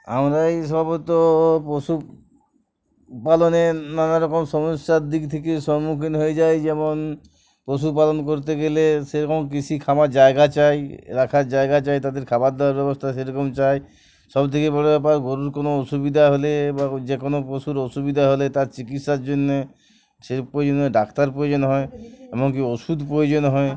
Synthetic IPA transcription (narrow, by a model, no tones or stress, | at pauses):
a̰mɾajsɔbʱabɔt̪opɾosu | palɔnenanaɾɔkɔmsɔmɔsːaɾd̪ikt̪ʰekeʃɔɾmukʰinɦoed͡ʒajd͡ʑɛmon | pɾos̬up̬alɔnkoɾt̪̬eɡeleseɾɔkɔmk̬it͡ʃʰikʰamaɾd͡ʒaeɡat͡ʃajɾakʰaɾd͡ʒaeɡat͡ʃajt̪ad̪eɾkʰabad̪ɔaɾbɛbɔst̪ʰas̬eɾɔkɔmt͡ʃaj | sɔbt̪ʰekebɔɽobɛp̬aɾɡoɾuɾkonoɔsubid̪ʱaɦolebad͡ʒekonopɾosuɾɔsubid̪ʱaɦolet̪aɾt͡ʃikit̪ʃaɾd͡ʒonːe | sepojod͡ʑɔnɦɔeɖakt̪aɾpojod͡ʑɔnɦɔeɛmɔŋkiɔsud̪ʱpɾojod͡ʑɔnɦɔe